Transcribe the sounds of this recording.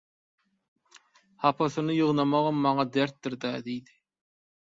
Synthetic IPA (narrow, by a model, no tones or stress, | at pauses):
hɑpʰɑθɯnɯjɯʁnɑmɑʁɯmːɑŋɑd̪eɾt̪̚ːiɾd̪æːd̪ijd̪i̥